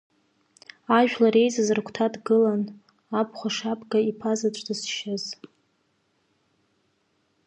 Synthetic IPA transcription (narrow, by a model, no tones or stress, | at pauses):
aʒᶣlaɾe̞jzazɨrkʷʰtʰadɡɨlan | ap̚ʰʼχʷaʂapʰʼɡaipʰazat͡ʃʷʼdɨsʃɪz